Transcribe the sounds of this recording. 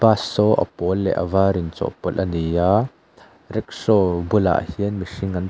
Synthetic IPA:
basːɔʔɐ̰pɔlːɛ̰ʔɐ̰vaːɾint͡sɔ̰ʔpɔlʔɐnijaː | rɛk̚sɔbula̰ʔhiənmisiŋɐn

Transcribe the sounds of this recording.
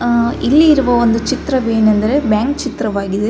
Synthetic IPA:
ʔɪlːiɪɾɯʋoːʋɐnd̪ɯt͡ʃɪt̪ːɾɐʋeːɳɛnd̪ɐɾɯbaːŋkt͡ʃɪt̪ɾɐʋaːɣɪðɯ

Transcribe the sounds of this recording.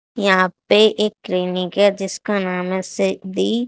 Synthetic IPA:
jɐɦãpeʔeːkːɾiːnɪkɦɛd͡ʒɪskanaːmɛsɪd̪i

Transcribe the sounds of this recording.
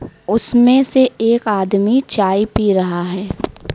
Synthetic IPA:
ʊsmẽseeːkaːd̪mit͡ʃaːipiɾɐɦaɦɛː

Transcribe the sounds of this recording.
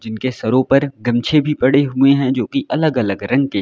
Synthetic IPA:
d͡ʒɪnkesɐɾõpɐɾɡɐmt͡ʃʰebʱipɐɽeɦuẽɦɛ̃d͡ʒoːkiʔɐləɡɐləɡɾɐ̃ŋɡ̚ke

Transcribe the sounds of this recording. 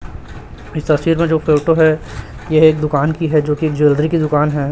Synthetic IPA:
ɪst̪ɐsiːɾmẽd͡ʒoːfeːʈoɦɛ | jeɦeːk̚d̪ʊkaːnkiɦɛd͡ʒoːkieːk̚d͡ʒeːlɖɾikid̪ʊkaːnɦɛ

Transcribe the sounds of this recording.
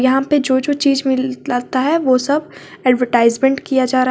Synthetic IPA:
jɐɦãped͡ʒoːd͡ʒoːt͡ʃiːzmɪlaːt̪aɦɛʋosɐb | ɛːɖʋəɾʈaːɪzmẽɳʈkijad͡ʒaːɾa

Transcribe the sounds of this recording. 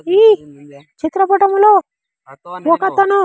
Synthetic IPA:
iːt͡ʃit̪ɾɐpɐʈɐmloː | wɔkɐt̪ɐnu

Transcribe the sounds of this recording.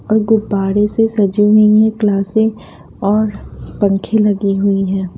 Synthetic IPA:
ɔːɾɡʊbaːɾesesɐd͡ʒuɦiɦɛ̃klaːsẽ | ɔːɾpɐ̃ŋkʰẽlɐɡiɦʊiɦɛ̃ː

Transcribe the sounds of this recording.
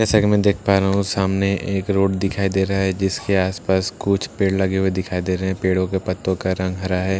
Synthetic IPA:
d͡ʒɛːsakemɛ̃d̪eːkʰpaːɾaːɦũsaːmneʔeːkɾoːɽd̪ɪkʰaːid̪eːɾaaɦɛd͡ʒɪskeaːspaːskʊt͡ʃʰpeːɽlɐɡewed̪ɪkʰaːid̪eːɾɐɛ̃peːɽõkepɐt̪ːõkaɾɐ̃ŋɡɦɐɾaɦɛː

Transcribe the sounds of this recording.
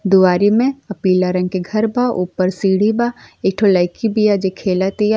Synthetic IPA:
d̪ʊaːɾimẽɐpiːlaɾɐ̃ŋɡ̚keɡʱɐɾbaʔuːpəɾsiːɽ̤ibaeːkʈʰolaːɪkibijad͡ʒekʰeːlat̪ija

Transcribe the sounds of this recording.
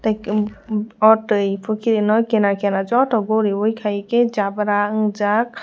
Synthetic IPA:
tajk | ɔʈɯjpʰɯkʰiɾinɔjkɛnakʰɛnad͡ʒɔtɔɡoɾiwɔjkʰajked͡ʒabɾaɯŋd͡ʒak̚

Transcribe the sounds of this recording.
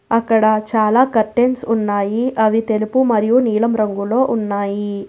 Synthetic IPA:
ɐkːɐɽɐt͡ʃaːlaːkɐʈːensunːaːjiʔɐʋit̪e̞lupumɐɾijuniːɭɐmɾɐŋɡuloːʔunːaːji

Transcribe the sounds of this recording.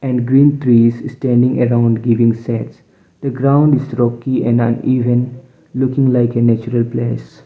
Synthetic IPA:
ɛ̃nɖɡɾĩːnt̪ʰɾiːzsʈæ̃ɳɖɪ̃ŋəɾãʊ̃ɳɖɡɪʋɪ̃ŋsɛʈs | d̪̥əɡɾãʊ̃ɳɖɪzɾɔkiɛ̃nə̰̃niːʋə̃n | lʊkɪ̃ŋlaɪkenɛt͡ʃuɾəlpleːs

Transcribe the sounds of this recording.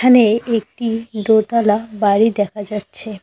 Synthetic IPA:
aneek̚ʈid̪ot̪alabaɾid̪ɛkʰad͡ʑatːɕʰe

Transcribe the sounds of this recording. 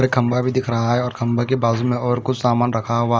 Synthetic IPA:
ɾekʰɐ̃mbabʱid̪ɪkʰɾɐɦaɦɛɔːɾkʰɐ̃mbakebaːzmẽɔːɾkʊt͡ʃʰsaːmaːnɾɐkʰaɦʊa

